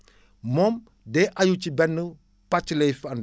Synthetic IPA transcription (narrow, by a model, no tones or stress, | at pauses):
mɔːm | dɛːʔajut͡ʃibɛnːə | pat͡ʃːlɛjfɐn